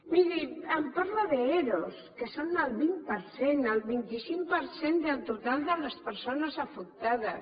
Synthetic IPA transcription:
miɾiəmpaɾlaðeeɾoskəsonəlˠβimpəɾsenəlβint̪isiŋpəɾsend̪elt̪ut̪alˠd̪ələspəɾsonəzafuk̚t̪aðəs

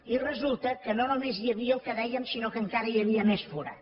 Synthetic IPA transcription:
irəzulˠt̪əkənonomezjəβiəlˠkəðɛjəmsinokəŋkaɾəjəβ̞iəmɛsfoɾə̰

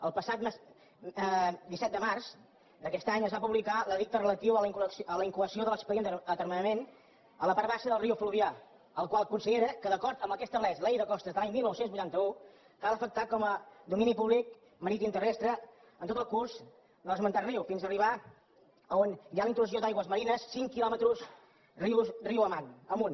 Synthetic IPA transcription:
əlˠpəsat̪m | d̪isɛt̪d̪əmarz | d̪əkɛst̪aɲəzβapuβlikaləðik̚t̪ərələt̪iwəliŋksʔələiŋkuβəsijoðələkspəðienət̪əɾmənəmen | ələpaɾβaʃəðəlˠriufluβia | əlˠkwalˠəkunsiðeɾəkəðəkɔɾt̪əmbəkɛst̪əβlɛzlejðəkɔst̪əzðəlaɲmilˠnɔwsenzβujt̪ant̪əu | kalˠəfək̚t̪akɔməd̪uminipuβlik̚ | məɾit̪imt̪ərɛst̪ɾə | ənt̪ot̪əlˠkuɾz | d̪əlˠəzmənt̪ariwfinzəriβ̞a | əonjaləint̪lusiod̪ajɣwəzməɾinəsːiŋkilɔmət̪ɾus | riwriwəmanəmun

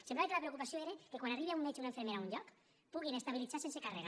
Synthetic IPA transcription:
semblaet̪alapɾeokupasioeɾe̞kekwanariβeaunet͡ʃunaefeme̞ɾaunɟok | puɣinaest̪aβilit͡sasensekareɣ

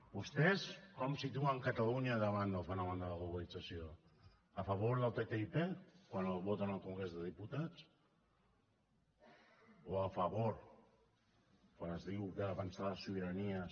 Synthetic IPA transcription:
bust̪eskɔmsit̪uaŋkat̪aluɲaðəβanəlˠfanaβand̪əlaɣluβalid͡zasio | afaβoɾðalt̪et̪eipekwanəβot̪analˠkuŋɡɾezðəðiput̪at͡s | oafaβoɾ | kwanəzðiwkəːβansaasuβəɾaniə

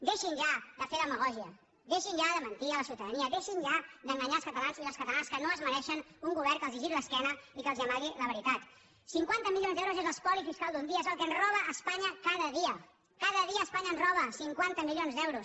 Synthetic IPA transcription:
d̪eʃinʒad̪əfeləməɣɔʒiə | d̪eʃinʒaðəmənt̪iələsiuwt̪əðəniəðeʃinʒad̪əŋɡəɲalˠskət̪əlanziləlskət̪əlanskənoəzmənɛʃənuŋɡuβɛrkəlˠziʒiɾiləskɛnəikəlˠziəmaɣiləβəɾit̪at̪ | siŋkwant̪əmilionzðɛwɾuzezəlˠspɔlifiskalˠd̪und̪iəezəlˠkənzrɔβəʔːspaɲəkaðəðiə | kaðəðiəːspaɲənzrɔβ̞əsiŋkwant̪əmilionzðɛwɾus

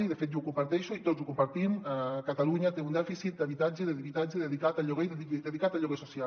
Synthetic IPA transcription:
iðəfet̪ouwkumpaɾt̪ɛʃuit̪ozukumpaɾt̪imkat̪aluɲat̪eund̪ɛfisit̪̚d̪aβit̪ad͡ʒəðeðiβit̪ad͡ʒəðəðikat̪aʎɔɣeðid̪eðikat̪aʎɔɣesusia

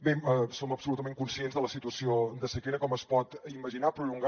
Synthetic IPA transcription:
besoməpsulut̪əmẽŋkunsienzðələsit̪uəsiod̪əsəkeɾəkɔməspɔt̪iməʒinapɾuluŋɡ

